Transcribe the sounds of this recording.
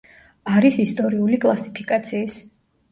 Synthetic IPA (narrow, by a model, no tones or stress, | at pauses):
aɾisist̪ʼɔɾiulikʼlˠasi̥pʰikʼat̪sʰiːs